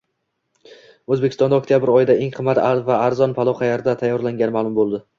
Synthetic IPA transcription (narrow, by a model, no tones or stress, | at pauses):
ɵzbekʲɪst̪ɒnd̪ɒk̚ʲt̪ʰjabɪɾɒjɪd̪aʔeŋqʰɨmːat̪avaːɾzɒnpʰalˠɒqɑjaɾd̪at̪ʰajːɒɾlaŋɡʲanɪmaːlˠʊmbolˠd̪ɪ